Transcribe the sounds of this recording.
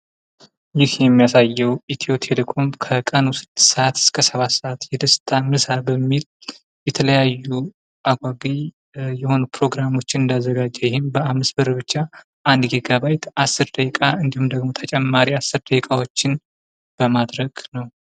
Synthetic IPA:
jɪhjɛmːijasajːɛwit̪ʰio̞t̪ʰelekʰo̞mkʰəkʼənusɨd̪səʔat̪ʰɨ̥skʰəsəβat̪səʔat̪jɛd̪əst̪ʰʼamɨsabəmːil | jɛt̪ʰələjajːu | ʔaɡʷaɡij | jɛho̞nupʰɾo̞ɡɾamo̞t͡ʃːɪnɨnd̪azːəɡad͡ʒːɛjɪhɪmbəamːɨsbəɾβɨt͡ʃːa | ʔand̪ɡiɡaβajt̪asːɨɾd̪əkkʼaɨnd̪ihumd̪əɡmo̞t̪ʰət͡ʃʼɛmːaɾiasːɨɾd̪əkʼawot͡ʃːɪn | b̥əmad̪ɾəɡ̥nəw

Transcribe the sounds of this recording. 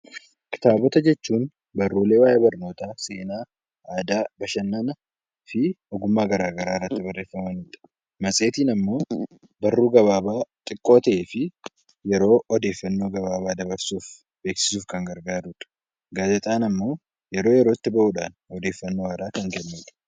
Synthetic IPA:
kɪ̥t̪aːbɔt̪ɐd͡ʒɛt͡ʃːuːn | bɐrːuːle̞ːwaːʔeːbɐrno̞ːt̪aːse̞ːnaː | aːd̪aːbɐʃɐnːɐnɐ | fɪ | ɔɡʊmːaːɡɐɾaːɡɐɾaːɪrːɐt̪ːɪbɐrːeːfːɐmɐnɪt̪ɐ̥ | mɐsʼe̞ːt̪iːnɐmːo̞ː | bɐrːuːɡɐβaːbaːt̪ʼɪkʼːo̞ːt̪ɐʔeːfɪ | jɛɾo̞ːɔd̪e̞ːfːɐnːo̞ːɡɐβaːβaːd̪ɐbɐɾsuːf | be̞ːksɪ̥suːfkɐŋɡɐɾɡaːd̪uᶑɐ̥ | ɡaːd͡ʒɛt̪ʼaːnɐmːo̞ː | jɛɾo̞ːjɛɾoːɪt̪ːɪbɐʔuːᶑa̰ːnɔd̪e̞ːfːɐnːo̞ːaːd̪aːkɐŋɡɛnːuːᶑɐ̥

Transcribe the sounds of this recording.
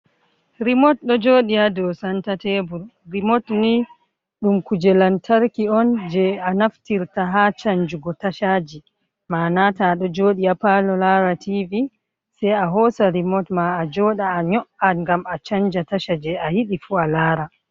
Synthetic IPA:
ɾimɔt̚ɗɔd͡ʒoːɗijadɔsantatebuɾɾimɔtni | ɗumkud͡ʒɛlantʰaɾkiɔnd͡ʒɛanaftiɾtaɦat͡ʃaɲd͡ʒuɡɔtaʃad͡ʒi | maːnataɗɔd͡ʒoːɗijapalɔlaːɾativi | sɛjaɦɔsaɾimɔtmaːd͡ʒɔɗaːɲɔʔaŋɡamat͡ʃaɲd͡ʒataʃad͡ʒɛahiɗifualaːɾa

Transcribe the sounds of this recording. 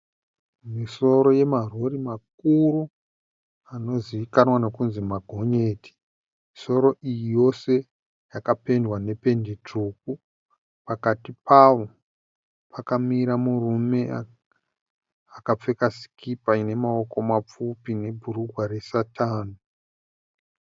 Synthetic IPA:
miso̞ɾo̞je̞marorimak̚uɾu | ano̞ziʋikanwanokunzimaɡʱo̞ɲe̞ːti̥ | miso̞ɾo̞ʔijijo̞se̞ | jakape̞ndwane̞pe̞ndit͡ʂuk̚u | pakatipaʋo̞ | pʰakamiɾamurume̞a | akap͡fe̞kasi̥kipaine̞mao̞ko̞map͡fupine̞bʱuɾuɡʱwaɾe̞satʰaːno

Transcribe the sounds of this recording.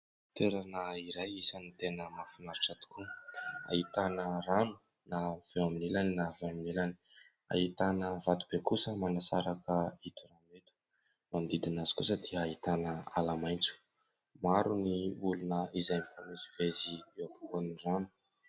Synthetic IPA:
t̪eɾanaiɾajisanit̪enəmafanaɾuʈ͡ʂat̪i̥kua̰ɦit̪anəranu̥ | nav̥eaminilaninaveaminilani̥ | a̰ɦit̪anəvat̪ub̥ekusəmanasaɾakəit̪uranet̪u̥ | mand̪id̪inazi̥kusəd̪iəaɦit̪anəalamajnt͡su̥ | maɾuniulunəizajmifanizivezieapu̥koniranu̥

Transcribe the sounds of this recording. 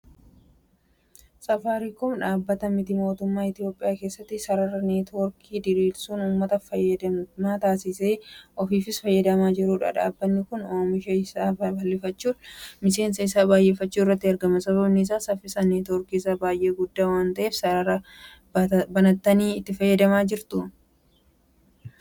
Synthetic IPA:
sʼɐfaːɾikʊmᶑaːbːɐt̪ɐmɪt̪ɪmo̞ːt̪ʊmːaːɪt̪ɪjoːpʼɪjaːke̞ːsːɐt̪ːɪsɐɾɐɾɐneːt̪oɾkʰiːd̪ɪɾiːlsuːnuːmːɐt̪ɐfɐjɐd̪ɐmaːt̪aːsɪseːʔɔfiːfɪsfɐjːɐd̪ɐmaːd͡ʒɪɾuːᶑɐ̰ᶑa̰ːbːɐnːɪkʊnoːmɪʃɐɪsaːbbɐlːɪfɐt͡ʃːuːnmɪse̞ːnsɐɪsaːbaːjʔeːfɐt͡ʃːuːɪrːɐt̪ːɪɐɾɡɐmɐsɐβɐbnɪɪs̬aːsɐfɪsɐneːt̪ɔɾkiːsabaːjʔe̞ːɡʊd̪ːaːwaːnt̪ɐʔe̞ːfsɐɐɾɐ | bɐnɐt̪ːɐniːɪt̪ːɪfɐjːɐd̪ɐmaːd͡ʒɪɾt̪ʊ

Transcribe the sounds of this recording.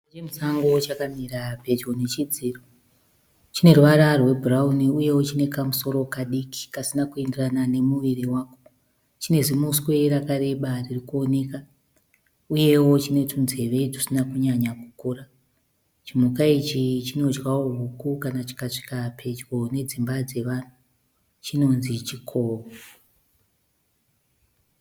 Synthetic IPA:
et͡ʃemusaŋɡo̞t͡ʃakamiɾape̞d͡ʒɡone̞t͡ʃid͡ziːro | t͡ʃine̞ruʋaɾarwe̞bʱurauniuje̞wo̞t͡ʃine̞kamuso̞ɾo̞kaɗiki̥kasinakue̞ndiranane̞muʋiɾiwaːko̞ | t͡ʃine̞zimuskwe̞ɾakaɾe̞ɓaririkuo̞ne̞ka | uje̞wo̞t͡ʃine̞tunze̞ʋe̞ʐisinakuɲaɲaku̥kuːra | t͡ʃimukait͡ʃit͡ʃino̞d͡ʒɡawoɦukukanat͡ʃi̥kaʂi̥kapʰe̞d͡ʒɡo̞ne̞d͡zimbad͡ze̞ʋan̤u | t͡ʃino̞nzit͡ʃikʰovu

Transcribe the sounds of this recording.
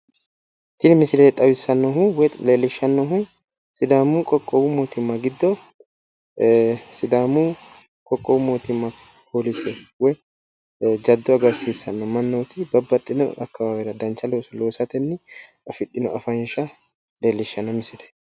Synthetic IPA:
t̪ːɪnmɪsɪleːt̪ʼɐbɪsːɐnːɔɦuwɛleːlːɪʃːɐnːɔɦʊ | sɪd̪aːmukʼɔkʼːɔbʊmoːt̪ɪmːɐɡɪd̪ːɔ | sɪd̪aːmu | kʼɔkʼːɔbʊmoːt̪ɪmːɐ | pʰoːlɪsɛwɛ | d͡ʒɐd̪ːɔɐɡɐɾsiːsːɐnːɔmɐnːoːt̪ɪbɐbːɐt̪ʼːɪnɔʔɐ̰kːɐbaːwɛɾɐd̪ɐnt͡ʃːɐloːsɐloːsɐt̪ɛnːɪʔɐfɪɗːɪnɔɐfɐnʃɐ | le̞ːlːɪʃːɐnːɔmɪsɪlɛ̥

